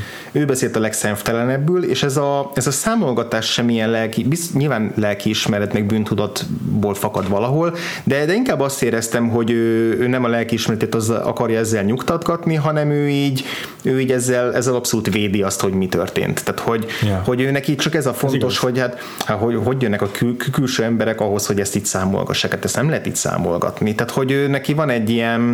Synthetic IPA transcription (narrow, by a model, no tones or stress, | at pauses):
øːbɛseːlt̪ɒlɛksɛɱft̪ɛlɛnɛbːyːleːʃɛzɒɛzɒsaːmo̞lɡɒt̪aːʃʃɛmːijɛnlɛlkibisɲilvaːnlɛlkiːʃmɛɾɛt̪nɛɡ̚byːnt̪ud̪ɒt̪boːlfɒkɒd̪ʋɒlɒɦo̞l | d̪ɛd̪ɛiŋkaːbːɒst̪eːɾɛst̪ɛmɦo̞ɟøːøːnɛmɒlɛlkiːʃmɛɾɛt̪eːt̪ɒz̰ɒ̰kɒrjɒɛzːɛlɲukt̪ɒd̪ɡɒt̪niɦɒnɛmøːiːɟ | øːiːɟɛzːɛlɛzːɛlɒpso̞luːt̪veːd̪iɒst̪ho̞ɟmit̪ø̰rt̪ḛːnt̪ːaːt̪ho̞ɟho̞ɟøːnɛkiːt͡ʃɒkɛzɒfont̪o̞ʃho̞ɟhat̪ | haɦoɦo̞ɟjønːɛkɒkykkylʃøːɛmbɛɾɛkɒɦo̞sho̞ɟɛst̪iːcsaːmo̰lɡɒ̰ʃːaːkaːt̪ɛst̪nɛmlɛɦɛt̪ḭːcsa̰ːmo̞̰lɡɒ̰t̪nit̪aːt̪ho̞ɟøːnɛkivɒnɛɟːijɛn